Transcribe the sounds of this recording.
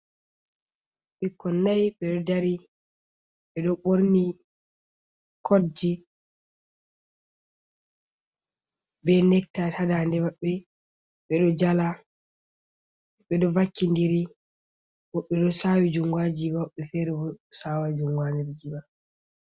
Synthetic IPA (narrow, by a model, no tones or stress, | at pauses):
ɓikːɔnːajɓɛɗɔdaɾi | ɓɛɗɔɓoɾni | kʰoɾd͡ʒi | bɛnɛk̚tatadandɛmaɓːɛ | ɓɛɗɔd͡ʒala | ɓɛɗɔvakːindiɾi | wɔɓːɛɗɔsawid͡ʒuŋɡwad͡ʒibaɓːɛfɛɾɛbɔsawad͡ʒuŋɡwandiɾd͡ʒiba